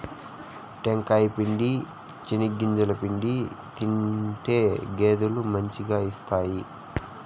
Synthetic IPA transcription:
ʈeŋkaːjpiɳɖi | t͡ʃiniɡːiɲd͡ʒulɐpiɳɖit̪iɳʈe̞ːɡe̞ːd̪ulumɐɲt͡ʃiɡaːist̪aːji

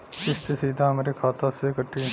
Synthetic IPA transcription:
kɪst̪esiːd̪ʱamɾekʰaːt̪asekəʈːi

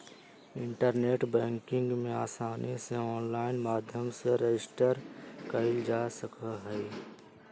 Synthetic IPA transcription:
ɪ̃ɳʈəɾneːʈbɛ̃ːŋkɪ̃ŋɡmẽaːsaːnʔiseɔːnlaːɪnmaːd̪ʱjəmseɾed͡ʒɪsʈəɾkəɪld͡ʒaːsəkaɦɛː

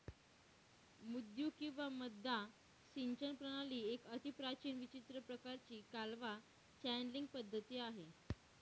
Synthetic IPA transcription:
mud̪juːkĩw̃ʋaməd̪ʱːa | siɲt͡ɕənpɾəɽ̃aliːekət̪ipɾat͡ɕiːnʋit͡ɕit̪ɾəpɾəkaɾt͡ɕiːkalʋa | t͡ɕænliŋɡ̚pəd̪ʱːət̪iːaɦe

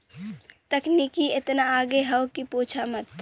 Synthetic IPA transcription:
t̪əknikiet̪naːɡeɦəʊkipoːt͡ʃʰamət̪

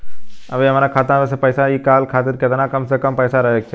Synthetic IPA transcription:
ɐʋeɐmaːɾakʰaːt̪ãʋes̬epɐjsaikaːlkʰaːt̪iɾket̪anakɐmsekɐmpɐjsaɾɐɦek̚t͡ʃʰe

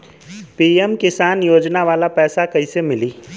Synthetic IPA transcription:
piːemkɪsaːnjoːd͡ʒnaʋaːlapɛːsakɐisemɪliː

